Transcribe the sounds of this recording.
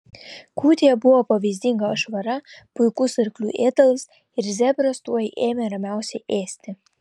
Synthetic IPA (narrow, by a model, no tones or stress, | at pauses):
kuːt̪ʲeːjɛbʊʋoːpɐʋʲiːzʲd̪ʲɪŋɡɐɐʃʋɐɾɐpʊɪkʊsɪɾklʲṵːʔeːt̪ɐlˠs | ɪɾzʲɛbʲɾɐst̪uɔjiʔeːmʲɛɾɐmʲæˑʊsʲɛɪʔeːsʲt̪ʲɪ